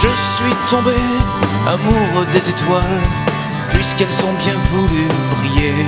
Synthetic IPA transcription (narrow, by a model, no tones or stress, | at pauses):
ʒəsɥit̪ɔ̃be | a̰muʁd̪ezet̪wal | pɥiskɛlsɔ̃bjɛ̃vulybʁije